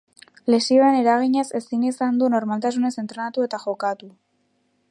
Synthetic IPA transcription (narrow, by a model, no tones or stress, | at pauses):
le̞sio̞ene̞ɾaɣ̞iɲese̞sinisand̪uno̞ɾmalt̪asune̞se̞nt̪ɾe̞nat̪ue̞t̪aʝo̞kat̪u